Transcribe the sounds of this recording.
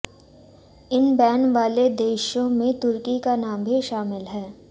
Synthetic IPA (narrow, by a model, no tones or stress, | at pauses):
ɪnbɛːnʋaːled̪eːʃõmẽt̪ʊɾkikanaːmbʱiʃaːmɪlɦɛː